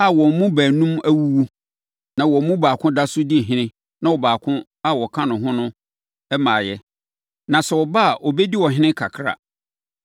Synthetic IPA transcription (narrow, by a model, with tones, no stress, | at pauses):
a˨wɔ˨mũ˦bæː˨nũ˦mæ˦wu˦wu˦ | nã˨wɔ̃˨˦mũ˦baː˨kʰʊ̃˦da˦sʊ˦di˦˨ɦɪ̃˦nɪ̃˦ | nã˨wɔ˨baː˨kʰʊ̃˦ | a˦wɔ˨kʰã˦nʊ̃˨ɦʊ̃˦nʊ̃˦ | ɛ˦mãː˨jɛ˦ | nã˨sɛ˨wɔ˨ba˦a˨ʔɔ˨bɛ˦di˦wɔ˨ɦɪ̃˦nɪ̃˦kʰa˨kʰɾa̰˨